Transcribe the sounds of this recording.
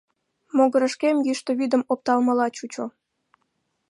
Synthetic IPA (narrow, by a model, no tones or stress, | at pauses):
moɣəɾəʃkemjyʃt̪oβid̪əmop̚t̪ɑlmə̆lɑt͡ɕut͡ɕo